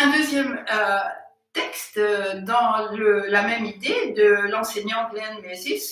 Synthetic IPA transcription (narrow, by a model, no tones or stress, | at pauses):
ɛ̃d̪øzjɛmø | t̪ɛkst̪d̪ɑ̃ləlamɛmid̪ed̪əlɑ̃seɲɑ̃ɡ̪lɛ̃nmɛzis